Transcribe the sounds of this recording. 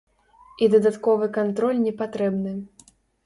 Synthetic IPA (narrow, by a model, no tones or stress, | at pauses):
id̪ɐd̪at̪kɔvɨkant̪ɾɔlʲnʲɛpat̪ɾɛbnɨ